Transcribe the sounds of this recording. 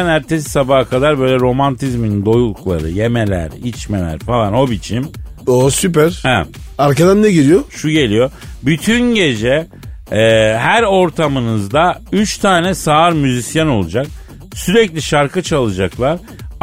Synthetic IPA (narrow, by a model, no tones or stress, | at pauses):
næɾt̪ʰesi̥sabakʰad̪aɾbø̞jlʲɛɾo̞mant̪ʰizminind̪o̞julˠklˠa̰ɾɯ̰je̞melʲæ̰ɾit͡ʃmelʲæ̰ɾfalˠano̞bit͡ʃʰim | osypæɾɛaɾkad̪anːɛɟiɾijoʃuɟe̞lʲijo̞byt̪ʰynɟe̞d͡ʒɛː | ɦæɾo̞ɾt̪ʰamɯnɯzd̪ayt͡ʃt̪ʰaːnɛsaːɾmyzisjano̞lˠud͡ʒak̚ | syɾɛclʲiʃaɾkʰɯt͡ʃʰalˠɯd͡ʒaklˠaɾ